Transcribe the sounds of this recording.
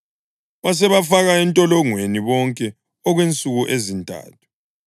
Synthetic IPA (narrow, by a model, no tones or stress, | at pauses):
βas̬ɛβafaɣaɛntʼɔlɔŋweniβɔŋkʼɛ | ɔɣwent͡sʼuɣuʔezintʼa̰ːtʰu̥